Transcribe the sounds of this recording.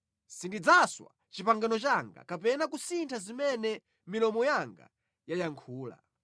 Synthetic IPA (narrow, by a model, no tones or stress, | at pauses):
sindid͡zaswa̰ | t͡ʃipaŋɡanɔt͡ʃaŋɡa̰kapɛnakusintʰazimɛnɛ | milɔmɔjaŋɡa̰ | jajaŋkʰuːla̰